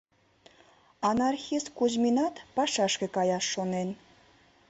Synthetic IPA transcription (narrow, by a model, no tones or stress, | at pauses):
ɑnɑrxʲiskuzmʲinɑt̪pɑʃɑʃkə̆kɑjɑʃːonen